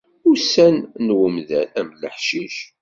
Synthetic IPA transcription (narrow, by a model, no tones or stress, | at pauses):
ʊɾsænnwəmðælæmləħʃiʃ